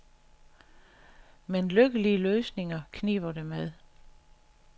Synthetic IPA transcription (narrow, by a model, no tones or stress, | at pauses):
menløɡ̥əliəløːsne̝ŋɐkʰniːʋɐdemeð̞ˠ